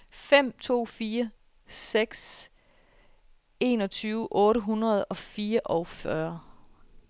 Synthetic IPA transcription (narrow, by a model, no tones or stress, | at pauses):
fem̰t͡sʰo̝̰ːfiːɐ | seɡ̥s | e̝̰nɒ̽t͡sʰyːʊʔɔ̽ːɾəɦunʁɐð̞̩ˠɒ̽fiːɐʔɒʊfɶɐ